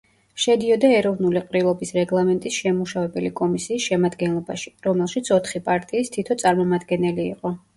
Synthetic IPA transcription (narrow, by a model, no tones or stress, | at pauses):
ʃɛd̪iɔd̪aɛɾɔvnuliqʼɾilˠɔbisɾɛɡlˠamɛnt̪ʼisʃɛmuʃavɛbɛlikʼɔmisiːsʃɛmad̪ɡɛnlˠɔbaʃi̥ɾɔmɛlˠʃit̪sʰɔt̪ʰχipʼaɾt̪ʼiːst̪ʰit̪ʰɔt̪sʼaɾmɔmad̪ɡɛnɛlḭːqʼɔ